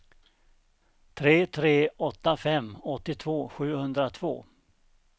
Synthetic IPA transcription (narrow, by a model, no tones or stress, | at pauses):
t̪ʰɾeːt̪ʰɾeːɔt̪ːafɛmːɔt̪ːɪt̪ʰvoːɧʉ̟ːhɵnd̪ɾat̪ʰv̥o̰ː